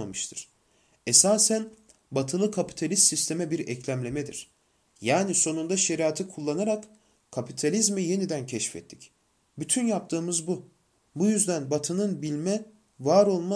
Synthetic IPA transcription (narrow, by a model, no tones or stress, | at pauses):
mamɯʃt̪ʰɯɾ̥ | esaːsæn | bat̪ʰɯlˠɯkʰapi̥t̪ʰalʲist̪sist̪ʰe̞mɛbiɾɛclʲæmlʲe̞mɛd̪ḭɾ̥ | jaːniso̞nund̪aʃe̞ɾiaːt̪ʰikʰulˠːanaɾak | kʰːapit̪ʰalʲizmije̞nid̪æncʰɛʃfɛ̰t̪ʰːi̥c | byt̪ʰynjap̚t̪ʰɯːmɯzbu | bujyzd̪ænbat̪ʰɯnɯnbilʲmɛ | vaːɾo̞lˠma